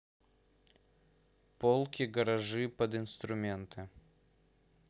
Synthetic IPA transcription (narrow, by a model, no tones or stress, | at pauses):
polˠkʲɪɡəɾɐʐɨpəd̪ɪnst̪ɾʊmʲent̪ʰɨ